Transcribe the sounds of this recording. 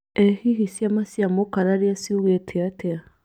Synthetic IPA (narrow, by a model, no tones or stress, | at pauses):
ɛhihisjamasjamokaɾaɾeasiuɣetʰeatʰea